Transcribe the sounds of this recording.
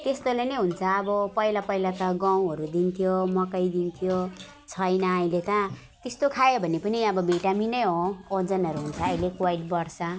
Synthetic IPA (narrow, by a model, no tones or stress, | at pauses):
t̪est̪olenʌjɦunt͡sʰʌːbʌpʌilapʌilat̪ʌɡaw̃ɦʌɾud̪int̪ʰijomʌkʌjd̪int̪ʰijo | t͡sʰʌjnʌːĩlet̪ʌ | t̪est̪okʰajobʱʌnepʌniʌbʌbeʈaminʌjɦood͡zʌnʌɾuɦunt͡sʰʌːjlekwaiʈbʌɽt͡sʰʌ